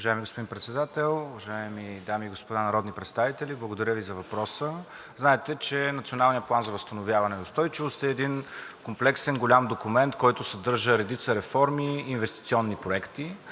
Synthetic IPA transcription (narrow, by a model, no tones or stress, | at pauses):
ɐʒaɛmiɡospod̪inpɾɛt̪sɛd̪at̪ɛlˠʊvɐʒaɛmid̪amiːɡospod̪anɐɾɔd̪nipɾɛt̪st̪avit̪ɛlʲiblˠɐɡod̪ɐɾʲjəvizɐvɐpɾɔsə | znaɛt̪ɛt͡ʃɛnɐt̪sionalˠniəplˠanzɐvəst̪ɐnovʲjavɐnɛʊst̪ɔjt͡ʃivost̪ɛːd̪inkomplɛksɛnɡolʲamd̪okumɛnt̪kɔjt̪ʊsɐd̪ɤɾʒəɾɛd̪it̪səɾɛfɔɾmiːnvɛst̪it̪siɔnːipɾoɛkt̪i